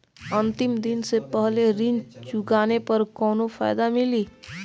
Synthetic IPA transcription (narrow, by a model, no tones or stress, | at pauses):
ə̃nt̪ɪmd̪ɪnsepɛɦleɾɪnt͡ʃʊɡaːnepɐɾkɔːnofaːɪd̪amɪliː